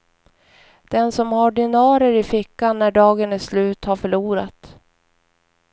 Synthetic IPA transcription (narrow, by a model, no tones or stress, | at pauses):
d̪̥ɛnsɔmhaɖɪnɑːɾəɾɪfɪkːanːæɖɑːɡənɛslʉ̟ːt̪haɾfœɭuːɾa̰t̪